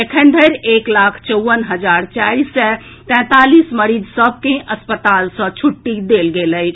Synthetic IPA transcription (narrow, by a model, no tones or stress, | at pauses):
ekʰə̃ɳɖ̪ʱəɾeklakʰt͡ʃəwʋənɦəd͡ʒaɾt͡ʃaisɛ | t̪ɛ̃ːt̪alisməɾid͡ʒsəb̚ʱkẽʔəspət̪alsə̃t͡ʃʰuʈːid̪elɡeləjʰ